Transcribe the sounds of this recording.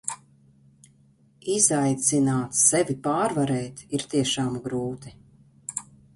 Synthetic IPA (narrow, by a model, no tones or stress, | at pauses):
izajt̪sinaːt̪sɛvipaːɾvaɾɛːt̪iɾt̪iɛʃaːmɡɾuːt̪i